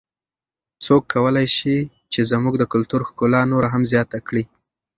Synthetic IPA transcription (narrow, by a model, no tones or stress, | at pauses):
t͡sokʰːawəlajʃi | t͡ʃezmuɡd̪əkʊlt̪uɾxkolɑnoɾaɦamzjɑt̪akɽi